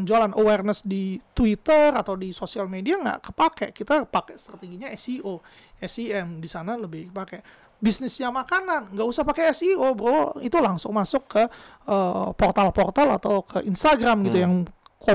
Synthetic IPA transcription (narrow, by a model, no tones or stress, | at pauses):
əɲd͡ʒualanʔowɛrnəsdit̪uwit̪ərat̪awdisosialmediaŋɡa̰ʔkəpakɛʔkit̪apakɛst̪ɾat̪eɡiɲaɛsiʔo | ɛsiɛmdisanaləbɪhkəpakɛʔ | bisnɪsɲamakananŋɡaʔusahpakeɛsiobəɾawait̪ulaŋsʊŋmasʊkːə | əpɔrt̪alpɔrt̪ala̰t̪awkʰəʔinst̪aɡɾamɡit̪ujaŋko